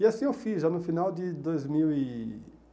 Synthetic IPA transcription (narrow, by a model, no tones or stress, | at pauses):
ɪasĩewfizʒanʊfinawd̪ɪd̪ojzmiwi